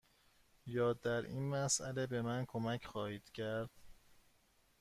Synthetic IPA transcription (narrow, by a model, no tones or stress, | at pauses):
jɒːd̪æɾḭːnmæsʔælebe̞mænkʰomæcʰxɒːhiːd̪̥cʰæɾd̪̥